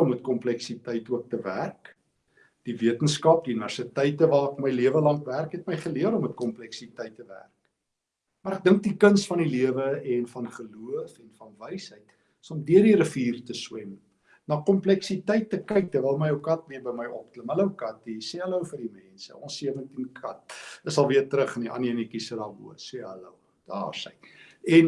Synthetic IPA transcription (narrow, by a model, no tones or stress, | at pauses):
ɔmət̚kɔmplɛksitəjtuək̚təvæ̰rk | d̥iviətənskɐp̚dinærsitəjtːəvɑːkməjliəvəlɐŋkværkɦɛtməjχəliəɾɔmət̚kɔmplɛksitəjtːəvæ̰rk | mɑɾæk̚dəŋk̚dikənsfɐniliəvəɛnfɐnχəluəfɛnfɐnvəjsɦəjt | əsɔmdiərdiɾəfiːrtəswɛm | nɑːkɔmplɛksitəjtːəkəjk̚tərvɛlˠməjəwkɐtviəbəjməjʔɔp̚tləmɦələəwkɐt̚disɛələwfərdimɛnsə̰ɔnsːiəvəntinkʰɐt̚əsɐlˠviərtəɾəχəniʔɐ̰niənikisədɑːbṵəseɦələ̰w | d̥ɑ̰ːrsə̰jɛn